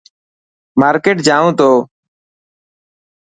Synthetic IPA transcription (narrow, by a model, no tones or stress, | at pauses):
maːɾkeːʈ̚d͡ʒãːʋũːt̪oː